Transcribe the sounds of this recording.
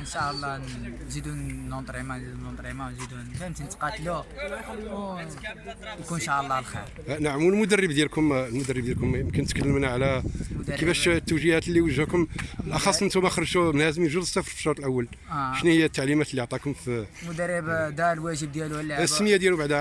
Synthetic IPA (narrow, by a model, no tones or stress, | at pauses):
ənʃæʔəlˤːɑ | zid̪unːont̪ˤɾimanzid̪unot̪ˤɾimawnzid̪unfæmt̪int̪qɑt̪lu | jkunʃaʕəlˤːɑlxḭɾ | naʕmulmʊd̪ərːəbd̪jælkʊmlmʊd̪ərːəbd̪jælkʊmjəmkənt̪kəlːəmnʕlækifæʃt̪ːəwʒihæt̪lːiwəʒhækʊmʔɑxɑsˤːmənt̪umæxɾˤʃumənhæzəmjʒud̪əsːæfəɾˤfi̥ʃːoɾˤt̪ˤəlʔæwːəlʃnæhəjːæt̪ːaʕlimæt̪əlːiʕt̪ˤɑkʊmfmʊd̪ərːəbd̪ɑɾlwæʒəb̚d̪jæluwlːæəssːəməjæd̪jæluwbaʕd̪æ